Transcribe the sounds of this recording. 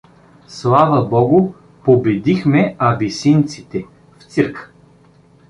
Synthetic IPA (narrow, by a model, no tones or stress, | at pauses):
slˠavəbɔɡʊ | pobɛd̪ixmɛɐvisint̪sit̪ɛ | ft̪siɾkə